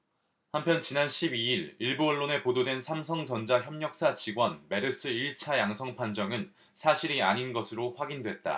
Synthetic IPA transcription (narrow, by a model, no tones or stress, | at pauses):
hampʰjʌnt͡ɕinanɕʰibiiɾiɭbuʌɭːone̞pododwe̞nsʰamsʰʌŋt͡ɕʌnd͡ʑaçjʌmɲʌk̚s͈at͡ɕiɡwʌnme̞ɾɯs͈ʰɯiɭt͡ɕʰajaŋsʰʌŋpʰand͡ʑʌŋɯn | sʰaɕʰiɾia̰ɲinɡʌsʰɯɾoɸwaɡindwe̞t̚t͈a̰